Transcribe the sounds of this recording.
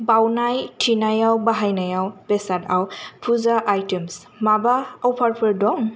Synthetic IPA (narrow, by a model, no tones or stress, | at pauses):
bawnajtʰinajawbaɦajnajawpesadawpʰuzaʔajtems | mabaawpʰaɾpʰɯɾdɔŋ